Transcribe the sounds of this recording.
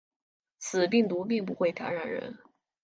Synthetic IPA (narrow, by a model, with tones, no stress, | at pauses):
t͡sʰɹ̩˨˩pi˥˩ŋt̪u˧˥pi˥˧ŋp̬u˧˥xwe˥˩ɪt̪ʰja̰˧˥ɻa˨˩nɻə̰˧˥n